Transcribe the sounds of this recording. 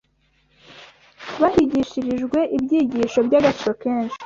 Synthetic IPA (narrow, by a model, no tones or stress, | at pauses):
βahiɟiʃiɾiʒɡwe̞ʔibɟiːɟiʃo̞bɟaɡat͡ʃiɾokeːnʃi̥